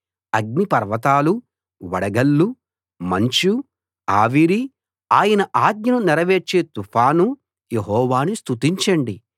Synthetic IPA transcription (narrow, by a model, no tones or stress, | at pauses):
ɐɡ̚nipɐɾʋɐt̪aːlu | ʋɐɽɐɡɐlːu | mɐɲt͡ʃu | aːʋiɾi | aːjɐnɐʔaːd̪̚ɲjɐnunɛɾɐʋeːt͡ʃeːt̪upʰaːnu | jeɦɔːʋaːnist̪ut̪iɲt͡ʃɐɳɖi